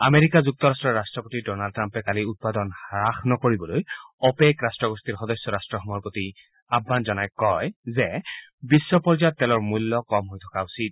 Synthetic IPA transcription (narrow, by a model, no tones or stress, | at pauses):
ameɹikazuk̚tɔɹastɹɔɹastɹɔpotidɔnaldtɹampɛkaliut̚padɔnhɹaxnɔkoɹibɔlojɔpekɹastɹɔɡɔstiɹxɔdɔsɔɹastɹɔxɔmɔɹpoti | abʱːanzɔnajkɔjzɛbisːɔpɔɹzajɔtːɛlɔɹmulːɔkɔmɦojtʰɔ̥kausid̚